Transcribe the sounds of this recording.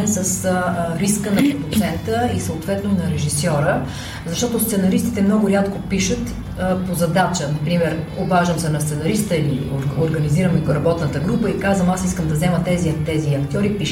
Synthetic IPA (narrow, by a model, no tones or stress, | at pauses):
ɛnsəsɾiskənɐpɾɛpot̪sɛnt̪əisəot̪vɛt̪nonɐɾɛʒisɔɾə | zɐʃt̪ɔt̪ost̪sɛnɐɾist̪i̥t̪ɛmnɔɡʊɾʲjat̪kopiʃət̪ː | pozɐd̪at͡ʃənɐpɾimɛɾobaʒəmsɛnɐst̪sɛnɐɾist̪əilioɾɡɐniziɾəmiɡoɾɐbɔt̪nət̪əɡɾupəikazvəmasiskəmd̪ɐzɛmət̪ɛzit̪ɛziɐkt̪ʲjɔɾipiʃ